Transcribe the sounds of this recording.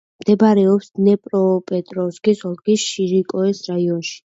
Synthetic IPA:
md̪̥ɛbaɾɛɔpsnɛpʼɾɔpʼɛt̪ʼɾɔsɡisɔlˠɡisʃiɾikʼɔɛsɾaiɔnʃi̥

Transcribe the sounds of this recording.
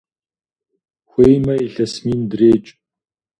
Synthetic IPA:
xʷejmɐiɬɐsmiːndreːt͡ʃʼ

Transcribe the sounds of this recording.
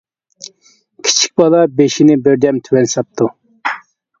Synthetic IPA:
kʲʰi̥t͡ʃʰi̥k̚ʲbɑlˠɑbeʃinɪbɪɾd̪ɛmt̪ʰywɛnsɑp̚t̪ʰu

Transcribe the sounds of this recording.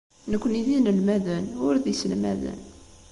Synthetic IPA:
nəkʷːniðinəlmæðənʊɾðisəlmæ̰ðə̰n

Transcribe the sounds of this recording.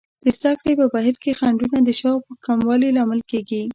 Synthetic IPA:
d̪̥əzd̪akɽepəbaɦiɾkexaɳɖunad̪əʃɑwpəkamwɑlilɑmɪlkeɡi

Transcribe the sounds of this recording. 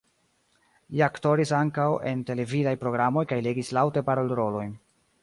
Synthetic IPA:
liakto̞ɾisaŋkawe̞̰nte̞le̞vidajpɾo̞ɡɾamo̞jkajle̞ɡislawte̞paɾoleɾo̞lo̞j

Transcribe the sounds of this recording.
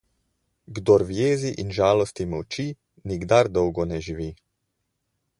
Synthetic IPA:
ɡd̪ɔɾʋjeːziʔinʒaːlɔst̪imɔwt͡ʃi | niɡd̪aɾd̪ɔwɡɔnɛʒiʋi

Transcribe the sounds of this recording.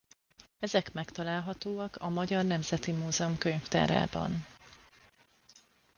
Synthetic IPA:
ɛzɛkmɛkt̪ɒlaːlɦɒt̪oːɒkɒmɒɟɒrnɛmz̥ɛt̪imuːzɛomkøɲft̪a̰ːɾa̰ːbɒ̰n

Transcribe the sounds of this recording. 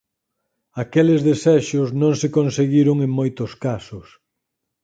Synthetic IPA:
akelezðesɛʃʊznõŋsekonseɣiɾʊŋẽŋmojt̪ʊskasʊs

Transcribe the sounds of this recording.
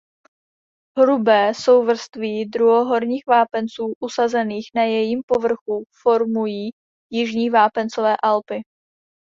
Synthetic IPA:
ɦɾubɛːso̞wvr̩st̪viːdɾuɦoɦo̞ɾɲiːxvaːpɛnt͡suːʔusazɛniːxnajɛjimpovr̩xufo̞ɾmujiː | jɪʒɲiːvaːpɛnt͡sovɛːʔalpɪ

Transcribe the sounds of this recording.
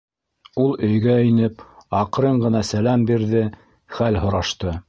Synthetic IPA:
ulˠɵ̆jɡæinɘpɑqɾɤɴɢɤ̆nɑsælæmbiɾðɘ | χælɦŏɾɑʃt̪ɤ

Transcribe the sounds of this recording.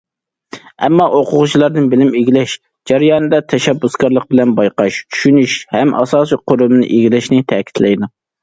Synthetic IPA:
ɛmːɑʔoqʰʊʁʊt͡ʃʰilˠɑɾd̪ɨnbɪlɪmeɡʲilɛʃ | d͡ʒɛɾijɑːnɨd̪ɑt̪ʰɛʃɛbːuskɑɾlˠəq̚bɪlɛnbɑjqɑʃt͡ʃʰy̥ʃynyʃhɛmʔɑ̰sɑːsiqʰoɾʊmɨnɨ̰ʔeɡʲilɛʃnɪt̪ʰɛːkʲʰi̥t̪ʰlɛjd̪u

